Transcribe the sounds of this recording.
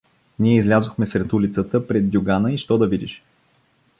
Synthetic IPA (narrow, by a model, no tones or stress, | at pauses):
niɛizlʲazʊxmɛsɾɛt̪ulit̪sət̪əpɾɛd̪̚dʲʊɡanəiʃt̪ɔd̪ɐvid̪iʃ